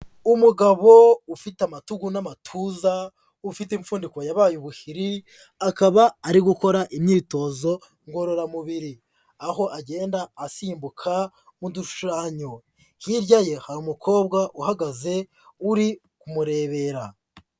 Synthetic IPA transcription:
umuɡaβo̞ufitamatuɡunamatʰuza | ufitiɱfuːndiko̞jaβaːjuβuhiɾi | akaβaːɾiɡuko̞ɾaʔimɲiːto̞zo̞ | ŋɡo̞ɾo̞ɾamuβiɾi | aho̞ʔaɟe̞ːndaːsiːmbukʰa | muduʃaːɲo | hiɾɟaje̞haɾumukʰo̞ːbɡaʔuhaɡaze̞ | uɾi | kumuɾe̞ːβe̞ːɾa

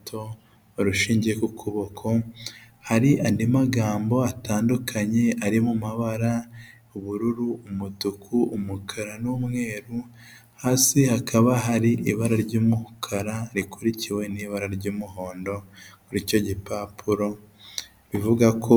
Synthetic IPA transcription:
tʰo̞ | oɾuʃiːɲɟiekukʰuβokʰo̞haɾiʔandimaɡaːmbo̞ataːndukʰaɲe̞aɾimumaβaɾa | uβuɾuɾuːmutukʰuːmukʰaɾanuwumŋe̞ːɾu | haːsihakʰaβaɦaɾiʔiβaɾaɾɟuːmuhukʰaɾaɾikuɾiciwe̞niːβaɾaɾɟuːmuɦo̞ːndo̞kuɾico̞ɟipapʰuɾo̞ | βivuɡakʰo

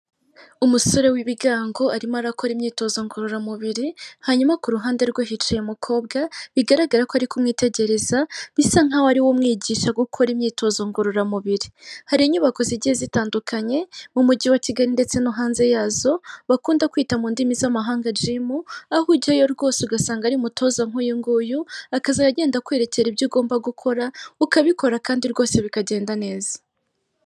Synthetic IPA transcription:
umuso̞ɾe̞wiβiɡaːŋɡo̞aɾimaɾako̞ɾimɲiːto̞zo̞ŋɡoɾoɾamuβiɾihaɲumakuɾuɦaːnde̞ɾɡwoɦit͡ʃajemukʰo̞ːbɡaβiɡaɾaɡaɾakoaɾikumŋiːte̞ɟe̞ɾe̞zaβisaŋ̥hawaɾiwomŋiːɟiːʃaɡukʰo̞ɾimɲiːtʰo̞zo̞ŋɡoɾoɾamuβiɾihaɾiɲuβako̞ziɟihezitaːndukʰaɲe̞mumuɟiwaciɡaɾinde̞t͡se̞nuɦaːnze̞jaːzo̞βakuːndakwiːtamuːndimizamaɦaːŋɡad͡ʒimuahuɟajo̞ɾɡo̞ːseuɡasaːŋɡaɾiumutʰo̞ːzaŋ̥ujiŋɡujuakazaɾaɟe̞ːndakwe̞ɾe̞ceɾibɟuːɡo̞ːmbaɡukʰo̞ɾaukaβiko̞ɾakaːndiɾɡo̞ːse̞βikaɟe̞ːndane̞ːzḁ

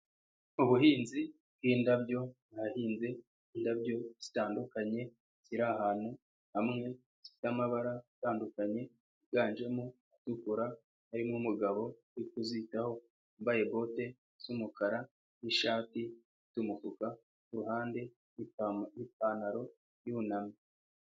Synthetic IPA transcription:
uβuɦiːnzi | bɡiːndabjo̞nahiːnze̞ | indabjo̞z̥i̥taːndukaɲe̞ | z̥iɾahaːn̥hu | hamŋe̞ | z̥i̥tamaβaɾazitaːndukaɲe̞ | iɡaːnd͡ʒe̞mu | atukuɾa | aɾimumuɡaβo̞ | uikuzitaho̞ | mbaje̞bo̞te̞ | z̥umukaɾa | niʃaːtizitumukuka | kuɾuhaːnde̞ | iip̚anaɾo̞ | junami

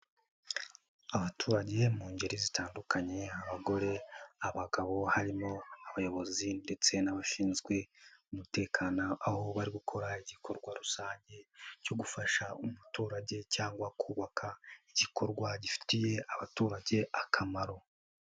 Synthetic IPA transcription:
aβatʰuːɾaɟe̞muːɲɟeɾizitaːndukaɲe̞aβaɡo̞ɾe̞aβaɡaβo̞haɾimo̞aβajo̞βo̞zinde̞t͡se̞naβaʃiːnzɡwe̞umute̞ːkʰaːnoʔaho̞βaɾiɡukʰo̞ɾaiɟikʰo̞ɾɡwaɾusaːɲɟe̞co̞ɡufaʃaumutuːɾaɟe̞caːŋɡwakʰuːβakʰaiɟiko̞ɾɡwaɟifi̥tije̞aβatuːɾaɟe̞ʔakʰamaɾo̞

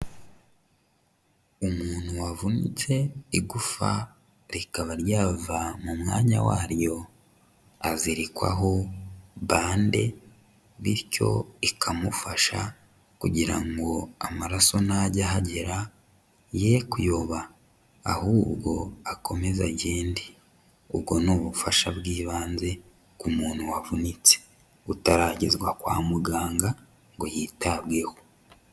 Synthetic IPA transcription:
umuːnhuwavunḭt͡se̞iɡufa̰ | ɾikaβaɾjaːvamumŋaːɲa̰wa̰ɾjo̞ | aziɾikwa̰ɦo̞βaːnde̞ | βiɾco̞̰ikʰamufaʃa | kuɟiɾa̰ŋɡo̞amaɾaso̞naɟahaɟeɾa | jekujoβaː | huːbɡo̞akʰo̞me̞zaɟeːndi | ubɡo̞nuːβufaʃabɡiːβaːnze̞ | kumuːnhuwavunit͡se̥ | utaɾaːɟizɡwakwa̰ːmuɡaːŋɡa | ŋɡojiːtabɡe̞ho̥

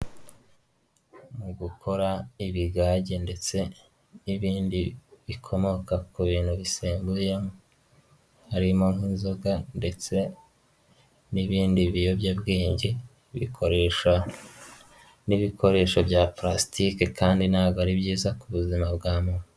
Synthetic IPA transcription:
muɡukʰo̞ɾaiβiɡaːɟende̞t͡se̞ | iβiːndiβikʰo̞mo̞kakuβiːn̥huβiseːmbujem | haɾimo̞ŋ̥inzoɡande̞t͡se̞ | niβiːndiβijo̞bjabɡiːɲɟe | βḭkʰoɾeʃa | niβiko̞ɾe̞ːʃobɟaːpɾastikekaːndinhaːɡoaɾibɟiːzakuβuzimabɡaːmunu

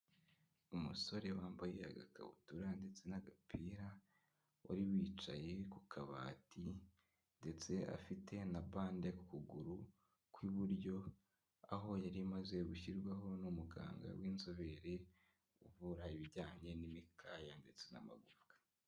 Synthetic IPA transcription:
umuso̞ɾe̞waːmbajeja̰ɡa̰kʰa̰βṵtuɾande̞t͡se̞naɡapʰiːɾa | wʔa̰ɾiwiːt͡ʃaje̞kukʰaβati | nde̞t͡se̞a̰fitʰe̞naβaːnde̞ku̥kuɡuɾu | kwiβuɾɟo̞ | aɦo̞jaɾimaze̞ɡuçiɾɡwaɦo̞numuɡa̰ːŋɡa̰wʔiːnzoβe̞ɾe | uvuɾaiβiɟaːɲe̞nimikʰaːjande̞t͡se̞na̰ma̰ɡufɡ̥ḁ

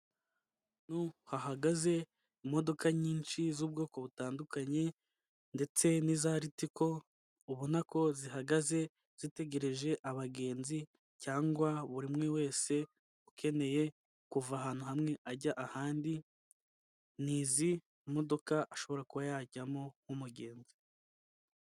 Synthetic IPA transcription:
nuhaɦaɡaze̞ | imo̞do̞kaɲiːnʃizuːb̚ɡo̞ːko̞βutaːndukaɲe̞ | nde̞t͡se̞nizaɾitiko̞ | uβunako̞ziɦaɡaze̞ | z̥ite̞ɟe̞ɾe̞ʒe̞ʔaβaɡe̞ːnzi | caːŋɡwaβuɾimŋe̞we̞ːse̞ | ukʰe̞ne̞je̞ | kuvahaːn̥huhamŋe̞ʔaɟaʔahaːndi | niːziː | mo̞do̞kaʔːʃo̞βo̞ɾakuβajaːɟamo̞humuɟe̞ːnzi̥

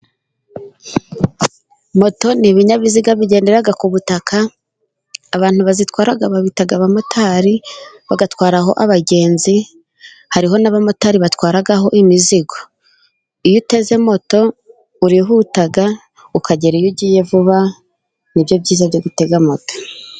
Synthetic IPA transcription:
mo̞to̞niβiɲaβiziɡaβiɟe̞ːnde̞ɾaɡakuβutakʰaː | βaːn̥huβazitwaːɾaɡaβaβitaɡaβamo̞tʰaːɾiβaɡatwaːɾaɦo̞̰ʔaβaɟe̞ːnzi | haɾiɦo̞naβamo̞taːɾiβatwaːɾaɡaɦo̞ʔimiziɡo̞ | ijute̞ze̞mo̞to̞ | uɾiɦutaɡa | ukaɟe̞ɾijuɟiːje̞vuβa | nibjo̞bɟiːzabjoɡute̞ɡamoto̥

